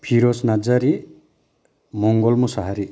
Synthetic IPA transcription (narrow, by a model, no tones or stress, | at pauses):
pʰiɾɔsnad͡ʒaɾi | mɔŋɡɔlmusaɦaɾi